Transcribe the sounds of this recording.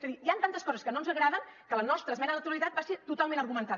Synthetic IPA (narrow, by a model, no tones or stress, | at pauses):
zəðiiant̪ant̪əskɔzəskənonzəɣɾaðəŋkələnɔst̪ɾəsmɛnəðənət̪uɾəlit̪at̪̚baseɾt̪ut̪alˠmẽnəɾɣumənt̪a